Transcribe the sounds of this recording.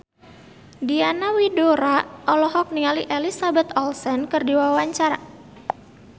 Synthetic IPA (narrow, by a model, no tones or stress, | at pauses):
dianawidoɾaʔɔlɔɦɔk̚niŋaliʔelisabɛt̪ɔlsɛnkərdiwawaɲt͡ʃaɾa